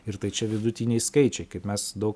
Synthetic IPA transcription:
ɪɾt̪ɐɪt͡ʃʲɛʋʲɪd̪ʊt̪ʲinʲɛɪskɐɪt͡ʃʲɛɪkɐɪpmʲɛsd̪ɐʊk

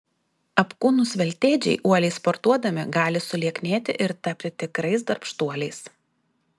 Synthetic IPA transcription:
ɐpkuːnʊsʋʲɛlʲt̪ʲeːd͡ʒʲɛ̰ɪʔuɔlʲɛɪspɔɾt̪uɔd̪ɐmʲɪɡɑːlʲɪsʊlʲiɛknʲeːt̪ʲɪʔɪɾt̪ɐpʲt̪ʲɪt̪ʲɪkɾɐɪsd̪ɐɾpʃt̪uɔlʲɛɪs

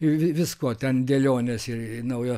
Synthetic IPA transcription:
ɪʋʲɪʋʲɪskoɔt̪ʲɛnd̪ʲɛlʲoːnʲesɪrnɐʊjo

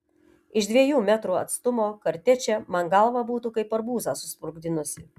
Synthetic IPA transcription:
ɪʃd̪ʲʋʲiɛjuːmʲæt̪ɾuːɐt̪st̪ʊmoːkɐɾʲt̪ʲɛt͡ʃʲɛmɐŋɡɐlˠʋɑbuːt̪uːkɐɪpɐɾbuːzɑsʊsʲpʊɾɡd̪ʲɪnʊsʲɪ

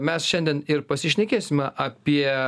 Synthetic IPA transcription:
mʲɛsʃʲɛnʲd̪ʲiɛnɪɾpɐsʲɪʃʲnʲɛkʲeːsʲɪmʲɛʔɐpʲiɛ

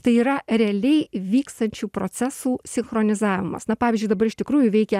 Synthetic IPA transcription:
t̪ɐɪiːɾɐɾʲɛɐlʲɛɪʋʲiːkst̪ɐnʲt͡ʃʲuːpɾoːt̪sʲæsuːsʲɪnxɾoːnʲɪzɑːʋʲɪmɐ̰snɐpɑːʋʲizʲd͡ʒʲʊɪd̪ɐbɐɾɪʃʲt̪ʲɪkɾuːjuʋʲɛɪkʲɛ

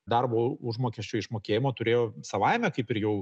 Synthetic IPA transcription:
d̪ɐrboːʊʒmoːkʲɛsʲt͡ʃʲɛːɪʃmoːkʲeːjɪmoːt̪ʊɾʲeːjoːsɐʋɐɪmʲɛkɐɪpɪɾjɛʊ

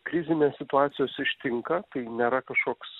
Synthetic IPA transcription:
kɾʲɪzʲɪnʲeːsʲsʲɪt̪ʊɑːt̪sʲɪjoːsɪʃʲt̪ʲɪŋkɐt̪ɐɪnʲeːɾɐkɐʃkoːks

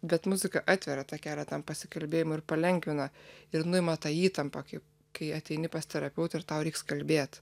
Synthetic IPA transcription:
bʲɛt̪mʊzʲɪkɐʔɑːt̪ʲʋʲɛɾɐt̪ɑːkʲæːlʲɛt̪ɐmpɐsʲɪ̥kɐlʲbʲeːjɪmʊɪɾpɐlʲɛŋʲkʋʲɪnɐɪɾnʊɪmɐt̪ɑːiːt̪ɐmpɐkɐɪ | kɐɪɐt̪ʲɛɪnʲɪpɐst̪ʲɛɾɐpʲɛʊt̪ɪrt̪ɐʊɾʲɛɪkskɐlʲbʲeːt̪

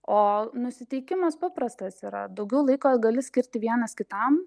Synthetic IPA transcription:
oːnʊsʲɪt̪ʲɛɪkʲɪmɐspɑpɾɐst̪ɐsiːɾɐ̰d̪ɐʊɡʲɛʊlˠɐɪkoːɡɐlʲɪsʲkʲɪɾʲt̪ʲɪʋʲiɛnɐskʲɪt̪ɐm

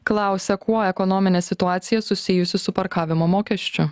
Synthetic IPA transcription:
klˠɑˑʊsʲɛkuɔɛkɔnɔmʲɪnʲeːsʲɪt̪ʊɑːt̪sʲɪjɛsʊsʲɪjʊsʲɪsʊpɐɾkɑːʋʲɪmoːmoːkʲɛʃʲt͡ʃʲʊ

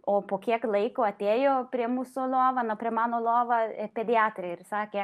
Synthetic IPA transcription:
oːpoːkʲiɛklˠɐɪkoːɐt̪ʲeːjoːpʲɾʲiɛmuːsoːlˠoːʋɐnɐpʲɾʲiɛmɑːnoːlˠoːʋɐpʲed̪ʲɪɑːt̪ʲɾʲeɪɾsɑːkʲeː

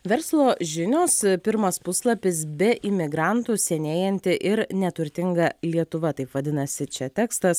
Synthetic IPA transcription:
ʋʲɛɾslˠoːʒʲɪnʲoːspʲɪɾmɐspʊslˠɐpʲɪsbʲɛʔɪmʲɪɡɾɑnt̪usʲɛnʲeːjɛnʲt̪ʲɪʔɪɾnʲɛt̪ʊɾʲt̪ʲɪŋɡɐlʲiɛt̪ʊʋɐt̪ɐɪpʋɐd̪ʲɪnɐsʲɪt͡ʃʲɛt̪ʲɛːkst̪ɐs

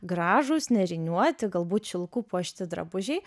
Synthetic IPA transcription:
ɡɾɑːʒʊsnʲɛɾʲɪnʲuɔt̪ʲɪɡɐlˠbuːt̪ʃʲɪlˠkuːpuɔʃʲt̪ʲɪd̪ɾɐ̰bʊʒʲɛɪ

